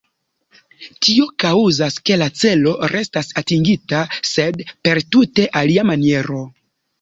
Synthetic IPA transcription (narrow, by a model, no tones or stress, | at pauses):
tio̞kauzaske̞lat͡se̞lo̞ɾʔe̞stasatiŋɡitase̞dpe̞ɾtute̞ʔaliamanie̞ɾo̞